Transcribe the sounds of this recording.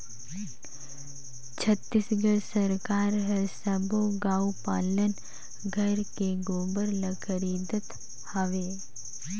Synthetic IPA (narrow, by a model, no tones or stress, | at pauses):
t͡ʃʰət̪ːisɡʱəɽsəɾkaːɾɦəɾsəbʱoɡaːupa̰ːlən | ɡʱəɾkeɡoːbəɾləkʰəɾiːd̪ət̪ | haʋeː